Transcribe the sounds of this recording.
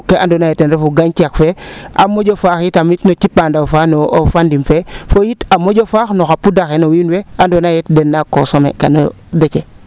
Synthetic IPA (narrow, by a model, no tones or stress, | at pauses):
kːeʔa̰ndonajetenɾefuɡankiakfea̰mːod͡ʒofaxitamitnot͡ʃipandawfanoofandimfefojitamod͡ʒofaxnoxapudaxenowinweandonajetdenːakosomḛka̰no̰ | det͡ʃe